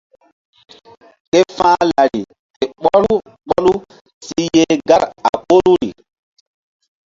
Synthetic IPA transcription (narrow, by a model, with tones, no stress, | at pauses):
te˦fãː˦la˨ɾi˨ | te˨ɓɔ˦luu˦ | ɓɔ˦lu˦ | si˦je˦ɡa˦ɾa˨po˦lu˦ɾi˨